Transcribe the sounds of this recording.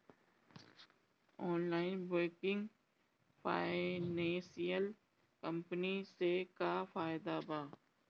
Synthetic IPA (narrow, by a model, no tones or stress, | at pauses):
ɔːnlaːɪnboːkɪ̃ŋɡ | pʰaːɪneːsijəl | kə̃mpnisekafaːjɪd̪abaː